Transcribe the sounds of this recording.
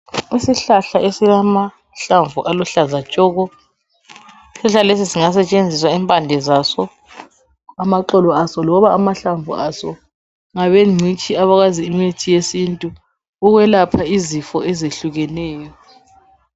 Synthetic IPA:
isiɬaɬaʔesilama | ɬaɱvuʔaluɬazat͡ʃʼɔːɣɔ | iɬaɬalesisiŋas̬ɛt͡ʃʼend͡zʱiswaɛmpʼandʱɛzasɔ | amaǃɔlɔasɔlɔβaamaɬaɱvṵasɔ | ŋaβeŋ͡ǀʱit͡ʃʼiaβaɣaziːmetʰijesintʼu | uɣwɛlapʰaizifɔɛzeɬuɣɛnɛːjɔ

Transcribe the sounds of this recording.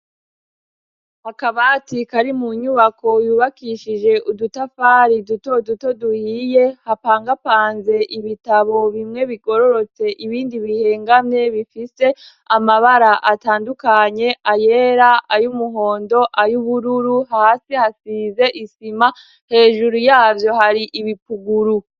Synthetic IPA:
hakaβatikaɾimuɲuβako̞juːβakiʃid͡ʒe̞ʔudutafaːɾidutoduto̞duhije̞hapaːŋɡapaːnze̞ʔiβitaβo̞βimŋe̞βiɡo̞ɾo̞ɾo̞t͡se̞ʔiβiːndiβihe̞ːŋɡamɲe̞βifise̞ | amaβaɾaʔataːndukaɲe̞aje̞ɾaʔajumuɦo̞ːndo̞ʔajuβuɾuɾuɦaːsihasiːnze̞ʔisima | he̞ːʒuɾujaːvjo̞haɾiʔiβipuɡuɾu

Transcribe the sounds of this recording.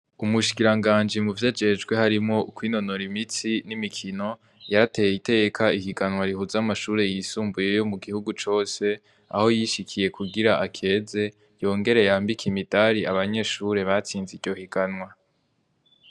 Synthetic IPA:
umuʃi̥kiɾaŋɡaːnd͡ʒimuvjad͡ʒe̞d͡ʒɡwe̞haɾimŋo̞ukwiːno̞noɾimit͡sinimikʰino̞ | jaɾate̞jeite̞ɡekʰaihiɡanwaɾihuzamaʃuːɾe̞jisuːmbuje̞jo̞muɡihuɡut͡ʃo̞ːse̞ | a̰ho̞jiʃikʰije̞kʰuɡiɾaakʰe̞ːze̞ | jo̞ːŋɡe̞ɾe̞jaːmbikʰimidaɾiaβaɲe̞ːʃuɾe̞βat͡siːnziɟo̞hiɡanwa

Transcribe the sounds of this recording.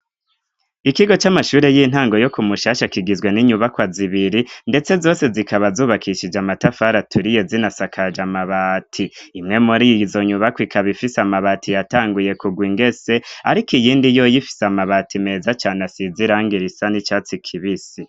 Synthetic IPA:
ikiɡo̞t͡ʃamaʃuːɾe̞jiːn̥ɦaːŋɡo̞jo̞kumuʃaːʃakiɡizɡwe̞niɲuβakwaziβiɾinde̞t͡se̞zo̞ːse̞zikaβazuːβakʰiʃid͡ʒamatafaːɾatʰuɾije̞zinasakʰad͡ʒamaβatʰiimŋe̞muɾijizo̞ɲuβakwikʰaβifisamaβatʰijataːŋɡuje̞kuɡwiŋɡe̞se̞a̰ɾikijiːndijo̞jifi̥samaβatʰime̞ːzat͡ʃaːnasiziɾaːŋɡiɾisanit͡ʃaːt͡sikʰiβisi

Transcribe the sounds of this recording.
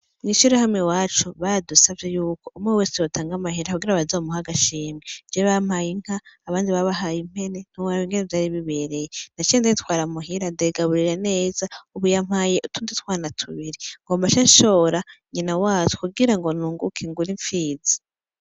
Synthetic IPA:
mŋiːʃuɾahamŋewaːt͡ʃuβadusavjejuːko̞umŋeweːsijotʰaːŋɡamahiɾakuɡiɾaβazomuhaɡaʃiːmje̥d͡ʒeβam̥hajiŋ̥haːβaːndiβaβaɦajim̥he̞ne̞n̥huwajiŋɡenevjaːɾiβiβe̞ɾe̞jenat͡ʃindajitwaːɾamuɦiɾandeɡaβuɾiɾane̞ːzauβujam̥haːjeʔutuːnditwaːnatʰṵβiɾiŋɡo̞ːmbaʃanʃo̞ːɾaɲinawaːt͡ʃu̥kuɡiɾaŋɡonuːŋɡṵkʰiŋɡuɾiɱfiːzi̥

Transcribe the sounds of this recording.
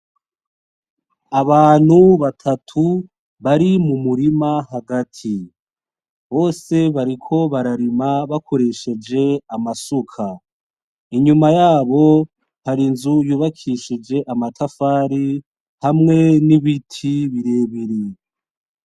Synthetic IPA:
aβaːn̥huβatʰatʰu | βaɾimumuɾimahaɡatʰi | βo̞ːse̞βaɾikʰo̞βaɾaɾimaβakʰo̞ɾe̞ʃe̞d͡ʒe̞amasukʰa | iɲumajaːβo̞ | haɾinzujuːβakʰiʃid͡ʒe̞ʔamatʰafaːɾi | hamŋe̞niβitʰiβiɾe̞ːβiɾi

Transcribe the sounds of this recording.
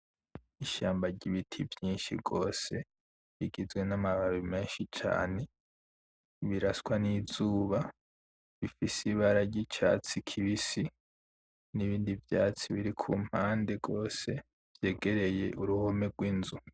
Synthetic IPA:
iʃaːmbaɾɟiβitʰivjiːnʃḭɡo̞ːse̞ | βiɡizɡwe̞namaβaβimeːnʃit͡ʃa̰ːne̞ | βiɾaswanizuːβa | βifisiβaɾaɟit͡ʃa̰ːt͡sikʰiβisi | niβiːndivjaːt͡siβiɾikʰṵm̥haːnde̞ɡo̞ːse̞ | v̥je̞ːɡe̞ɾe̞je̞ʔuɾuho̞meɡwinzu

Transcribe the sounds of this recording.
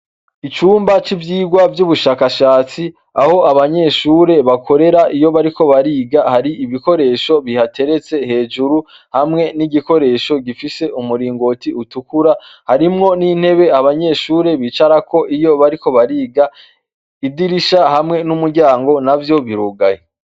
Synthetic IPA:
it͡ʃuːmbat͡ʃivjiːɡwavjuβuʃaːkaʃaːt͡si | aho̞aβaɲe̞ʃuːɾe̞βakʰo̞ɾe̞ɾaʔijo̞βaɾiko̞βaɾiːɡahaɾiʔiβiko̞ɾe̞ːʃo̞βihate̞ɾe̞t͡se̞he̞ːd͡ʒuɾu | hamŋe̞niɟiko̞ɾe̞ːʃo̞ɟifise̞ʔumuɾiːŋɡo̞tiutukuɾahaɾimŋo̞niːn̥he̞βe̞aβaɲe̞ʃuːɾe̞βiːt͡ʃaɾako̞ʔijo̞βaɾiko̞βaɾiːɡa | idiɾiʃahamŋe̞numuɾɟaːŋɡo̞navjo̞βiɾuɡaje

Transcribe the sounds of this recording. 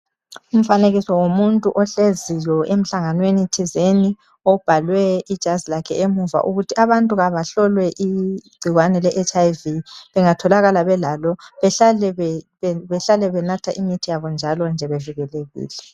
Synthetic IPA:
um̩faneɣisɔwomuntʼuʔɔɬezijɔem̩ɬaŋanwenitʰizeni | ɔb̥ʱalwɛid̥ʒ̥ʱazilakʰɛ̰ʔemuva̰ʔuɣutʰiaβantʼuɣaβaɬɔlwɛʔiɡ͡ǀʱiɣwanɛlɛʔet͡ʃʼajviβɛŋatʰɔlaɣalaβɛlalɔβɛɬalɛ | βɛɬalɛβɛnatʰaʔimitʰijaβɔnd͡ʒʱalɔnd͡ʒʱɛβeviɣɛleɣḭːlɛ

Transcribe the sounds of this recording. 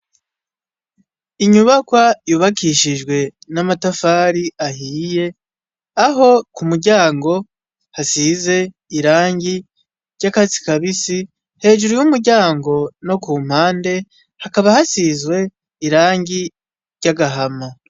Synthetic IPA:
iɲuβakwajuːβakiʃiʒɡwe̞namatafaːɾiahiːje̞ | aɦo̞kumuɾɟaːŋɡo̞ | hasize̞ː | ɾaːŋɟi | ɾɟakazi̥kaβisi | he̞ːʒuɾujumuɾɟaːŋɡo̞no̞kuːm̥haːnde̞ | hakaβahasizɡwe̞ | iɾaːɲɟi | ɾɟaɡaɦama

